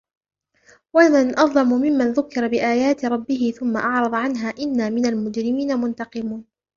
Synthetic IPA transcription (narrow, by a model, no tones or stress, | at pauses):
wananʔɑðˤlɑmʊmɪmːanðʊkːɪɾˤɑbɪʔaːjaːt̪ɪɾˤɑbːɪɦɪθʊmːaʔɑʕɾˤɑðˤʕanɦaːʔɪnːaːmɪnalmʊd͡ʒɾɪmiːnamʊnt̪ɑqɨmuːn